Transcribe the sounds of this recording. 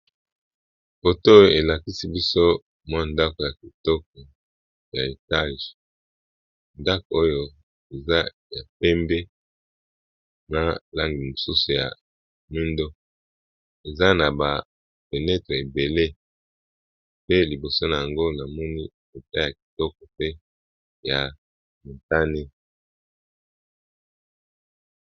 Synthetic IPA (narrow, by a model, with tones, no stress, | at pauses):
fo˨to˦˨e˨la˨ki˦si˦bi˦so˦ | mwa˦˨nda˦ko˨ja˨ki˨tɔ˦k̚ɔ˨ | ja˨e˨ta˦ʒ | nda˦ko˨o˦jo˦ | e˨za˦ | ja˨pɛ˦mbe˦ | na˦la˦ŋɡi˨mo˨su˦su˨ja̰˨ | mi˦ndo˦ | e˨za˦na˨ba˨ | pe˨nɛ˦tʁe˨e˨be˨le˦ | pe˦li˨bo˨so˦na˨ja˨ŋɡo˦na˨mɔ˦ni˦ | e˨ta˦ja˨ki̥˨tɔ˦kɔ˨pe˦ | ja˨ | mo˨ta˦ne˦